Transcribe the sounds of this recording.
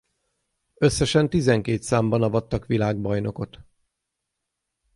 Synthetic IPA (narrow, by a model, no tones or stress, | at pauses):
ø̞sːɛʃɛnt̪izɛŋkeːt̪saːmbɒnɒvɒt̪ːɒkʋilaːɡ̚bɒjno̞ko̞t̪